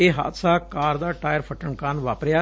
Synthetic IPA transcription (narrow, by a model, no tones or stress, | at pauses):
eːɦa̰ːt̪saːkaːɾd̪aːʈaːjəɾpʰəʈəɳkaːnʋaːpɾjaː